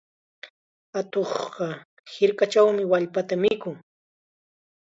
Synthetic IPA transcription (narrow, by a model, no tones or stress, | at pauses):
at̪oχɢɑ | hɪɾkat͡ʃawmɪwaʎpat̪amɪkʊŋ